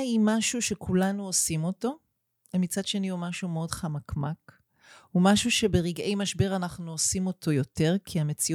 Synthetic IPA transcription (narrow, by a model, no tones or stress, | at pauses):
imaʃuʃe̞kʰulanuosimo̞to̞ | mit͡sadʃe̞niumaʃumeo̞dχamakʰmak | humaʃuʃe̞beʁiɡe̞jmaʃbe̞ʁanaχnuosimo̞tʰo̞jo̞te̞ʁkʰiame̞t͡si